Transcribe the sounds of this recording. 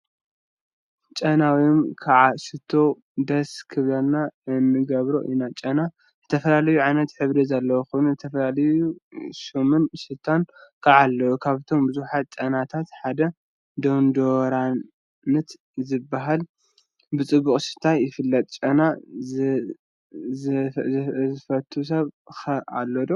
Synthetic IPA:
t͡ʃʼɐnawiomkʰaʕasɨt̪ʰːo̞ | d̪ɐskʰɨβlalnaɨnːɨɡɐβɾo̰ʔinat͡ʃʼɐna | zɨt̪ʰɐfɐlalɐjuʕajnɐt̪ħɨβlizalːɐwoxunuzɨt̪ʰɐfɐlalɐjuʃomɨnsɨlt̪ʰːankʰaʕalːɐwukʰaβt̪ʰo̞mbɨzuħat̪̚t͡ʃʼɐnat̪ʰat̪ħad̪ɐ | d̪ond̪oɾa | nɨt̪ | zɨbːaɦal | bɨt͡sʼɨbːuχʼsɨt̪ʰajɪfɨlːɐt̪ʼt͡ʃʼɐna | zfɐt̪ʰːus̬ɐβxɐa̰lːod̪o

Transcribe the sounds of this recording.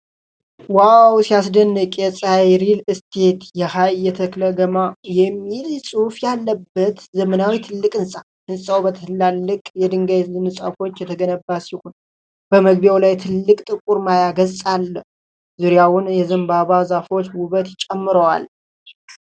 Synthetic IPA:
wawsijasd̪ənːɨkʼjɛsʼajɾilɨst̪ʰe̞t̪jɛhajːɛt̪ʰəkləɡəmajɛmːilsʼufjalːəbːət̪zəmənawit̪ʰɨlːɨkʼɨnsʼa | ɨnsʼawbət̪ʰɨlːalːɨkʼjɛd̪ɨŋɡajzɨnɨsʼa̰fo̞t͡ʃːjɛt̪ʰəɡənəbːasihon | b̥əməɡ̚bjawlajt̪ʰɨlːɨkʼt̪ʼɨkʼuɾmajaɡəzsʼalː | zuɾjawʊnjɛzɨmbaβazafo̞t͡ʃwuβət̪ɪt͡ʃʼɛmːɨɾəwa̰l

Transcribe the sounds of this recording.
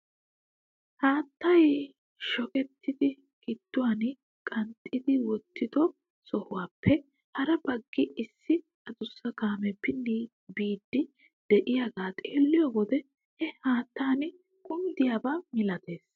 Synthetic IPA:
haːt̪ːɐj | ʃɔkʼɛt̪ʰːɪd̪ɪ | kɪt̪ːʊwaːn | kʼɐnt̪ʼːɪd̪ɪwɔt̪ʰːɪd̪ɔ | sɔhʊwaːpʰːɛ | hɐɾɐbɐɡːɪʔɪsːɪ | ɐd̪ʊsːɐkaːmɛpːɪnːi | biːd̪ːɪ | d̪̥ɛʔɪjaːɡaːt̪ʼe̞ːlːɪjɔɡɔd̪ɛ | hɛhaːt̪ːaːnɪ | kʼʊmd̪ɪjaːbaːmɪlɐt̪e̞ːs

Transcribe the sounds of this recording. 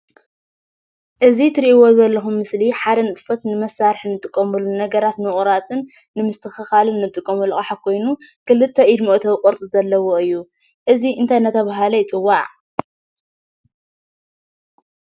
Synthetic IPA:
ʔɨzit̪ʰɨɾiʔiwo̞zɐlːɐxumːɨsliħad̪ɐnɨt̪ʼɨ̥fɐt̪nɨmɐsaɾħnɨt̪ʼɨkʼːɐmɨlunɐɡɐɾat̪nɨχʼɾat̪ʰɨnː | ɨmɨst̪ʰɨxɨxalɨnːɨt̪ʼɨkʼːɐmɨlxʼaħakʰo̞jnukɨlɨt̪ʰːɐʔid̪moʔt̪ʰɐwkʼoɾt͡s̪ʼizɐlːɐwoɨjːu | ʔɨziɨnt̪ʰajnɐt̪ʰːɐβaɦalɐjt͡sʼɨwːaʕ

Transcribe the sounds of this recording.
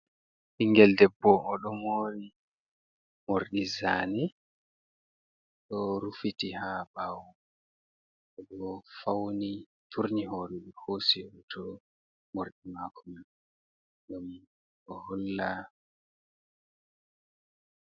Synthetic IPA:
ʔiŋɡɛldɛbːɔʔːɗɔmoɾi | moɾɗizaːni | ɗɔɾufitihabaw | ɛɗɔfawni | tʰuɾniɦoːɾɛɗɔhositʰɔ | moɾɗimakʰuman | ɡam | ɔhɔlːa

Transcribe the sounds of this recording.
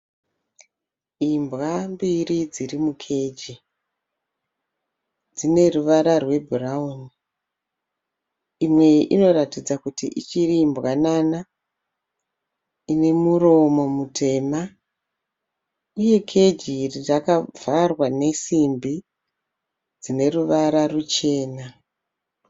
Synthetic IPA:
imbɣambiɾid͡zirimukʰe̞d͡ʒi | d͡zine̞ruʋaɾarwe̞bʱurauni | imwe̞ʔḭno̞ɾatid͡zakutiʔḭt͡ʃiriːmbɣanana | ine̞muɾo̞mo̞mutʰe̞ːma | uje̞kʰe̞d͡ʒirrakavarwane̞simbi | d͡zine̞ruʋaɾarut͡ʃe̞ːna

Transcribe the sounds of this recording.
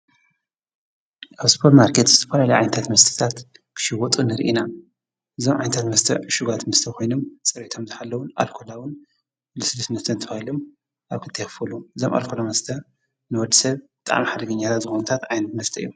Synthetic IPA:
ʔaβsɨ̥pʰɐɾmaɾkʰe̞t̪zɨt̪ʰɐfɐlalɐjʕa̰jnɐt̪ʰat̪mɐst̪ʰɨ̥t̪ʰat̪kʰɨ̥ʃiwɔt̪ʼunɨɾʔina | ʔɨzomʕajnt̪ʰat̪mɐst̪ʰɐ̰ʕɨʃuɡat̪mɐst̪ʰɐkʰo̞jnomt͡sʼɨɾit̪ʰo̞mzɨħalːɐwʊna̰lkʰolawʊn | lɨsɨlɨsmɐst̪ʰɐnt̪ʰɐβahilom | ʔaβkʰɨt̪ʰɐjxfɐluɨzomʔa̰lkʰolamɐst̪ʰɐ | nɨwɔd̪ːisɐβbɨt̪ʼa̰ʕmiħad̪ɨɡɐɲːat̪ʰat̪zɨxonɐt̪ʰat̪ʕajnɐt̪mɐst̪ʰɐjːu

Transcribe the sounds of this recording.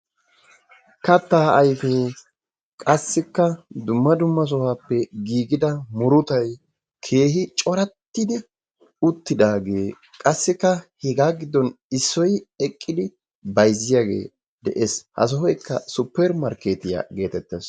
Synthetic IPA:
kɐt̪ːaːɐjfeː | kʼɐsːɪkːɐd̪ʊmːɐd̪ʊmːɐs̬ɔhaːpːɛɡiːɡɪd̪ɐmʊɾʊt̪ɐj | kʰe̞ːɦɪt͡ʃʼɔɾɐt̪ːɪd̪ɪ | ʊt̪ːɪd̪aːɡe̞ː | kʼɐsːɪkːɐhɛɡaːɡɪd̪ːɔnɪsːɔjɛkʼːɪd̪ɪ | bɐjzːɪjaːɡḛː | d̪ɛʔeːshɐ̰s̬ɔhɔjkːɐsʊpːɛɾmɐɾkeːt̪ɪja̰ːɡe̞ːt̪ɛt̪ːɛs

